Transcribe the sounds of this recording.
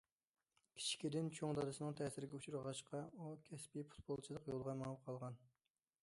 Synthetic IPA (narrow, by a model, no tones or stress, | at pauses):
kʲʰi̥t͡ʃʰi̥kʲid̪ɪnt͡ʃʰoŋd̪ɑd̪ɨsɨnɨŋt̪ʰɛːsɪɾɪɡʲɛut͡ʃʰuɾʁɑʃqʰɑukʲʰɛspifu̥t̪̚bolˠt͡ʃʰilˠəqjolˠʁɑnmɑŋəp̚qʰɑlˠʁɑn